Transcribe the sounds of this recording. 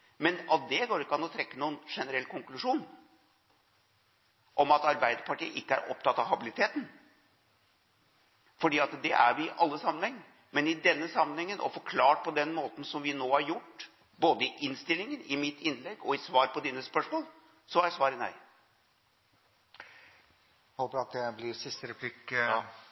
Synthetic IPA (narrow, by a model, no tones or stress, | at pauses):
mɛnɑt̪̚d̪ɛɡoːɾɪkːəɑnɔt̪ʰɾɛkːənuːənʂɛnəɾɛlːkʰʊŋklʉʂuːn | ʔɔmɑt̪ɑɾbæɪd̪əɾpʰɑʈiːə̰ʔɪkːəæ̰ɾʔɔ̰p̚t̪ʰɑt̪ːɑʋɦɑbɪlɪt̪ʰeːt̪n̩ | fɔɖiːɑt̪d̪ɛʔæ̰ɾʋɪʔɑlːəsɑmːənhɛŋː | mɛnɪd̪ɛnːəsɑmːənɛŋːənʔɔ̰fɔɾkʰlɑːʈ̚pʰɔd̪ɛnmoːt̪n̩sɔmʋɪnoːhɑɾjʊʈː | boːd̪əɪʔɪnst̪ɪlːɪŋənɪmɪt̪ːɪnlɛɡɔɪsʋɑːɾpɔd̪iːnəspœʂmoːlˠ | sɔæsʋɑːɾənæ̰ɪ | hoːpəɾɑt̪̚d̪ɛblɪsɪst̪əɾɛpʰlɪk